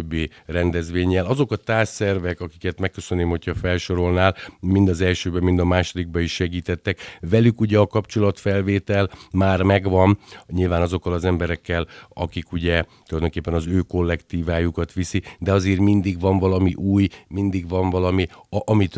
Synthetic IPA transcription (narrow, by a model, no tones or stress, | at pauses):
bːeːrɛnd̪ɛzʋeːɲːɛlɒzo̞kɒt̪aːssɛrvɛkɒki̥kɛt̪mɛkːø̞sønːeːmho̞cʰhɒfɛlʃo̞ɾo̞lnaːlmind̪ɒzɛlʃøːbɛmind̪ɒmaːʃo̞d̪iɡ̚bɛiʃːɛɡiːt̪ɛt̪ːɛkvɛlykuɟɛɒkɒpt͡ʃo̞lɒt̪fɛlveːt̪ɛlmaːrmɛɡʋɒnɲilvaːnɒzo̞kːɒlɒzɛmbɛɾɛkːɛlɒ̰kikuɟɛt̪ulɒjd̪o̞ŋkeːpːɛnɒzøːko̞lːɛkt̪iːvaːjukɒt̪ʋisid̪ɛɒzeːrmind̪iɡvɒɱvɒlɒmiʔuːjmind̪iɡvɒɱvɒlɒmiɒmit̪